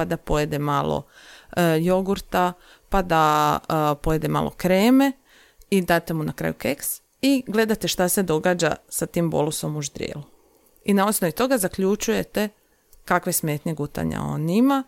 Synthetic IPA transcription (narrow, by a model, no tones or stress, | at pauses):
ad̪apo̞jed̪emaːlˠo̰ | jo̞ɡuɾt̪a | pad̪a | pojed̪ema̰ːlˠʔo̞̰kɾeːme̞ | id̪aːt̪e̞munakɾa̰ːjukeks | iɡle̞d̪at̪e̞ʃt̪ase̞d̪o̞ɡaːd͡ʒa̰sat̪iːmbo̞̰luso̞muʒd̪ɾijḛːlu | inaosnoʋit̪o̞ɡazakʎut͡ʃuje̞t̪e̞ | kakʋe̞smeːt̪ɲeɡut̪a̰ɲa̰o̰nima